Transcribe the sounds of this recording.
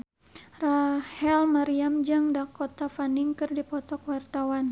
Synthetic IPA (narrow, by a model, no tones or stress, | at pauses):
rahɛlmaɾiamd͡ʒaŋdakot̪afaniŋkɨrdipɔt̪ɔkwart̪awan